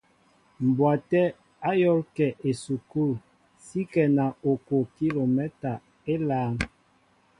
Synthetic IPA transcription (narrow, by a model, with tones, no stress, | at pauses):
m̩˨bwa˨tɛ˦ | a˦jɔ˦lkɛ˨ʔe˨su˨ku˦˨l | si˦kɛ˨na˨o˨ko˨ki˦lo˨mɛ˦ta˨ | e˦laː˨˦n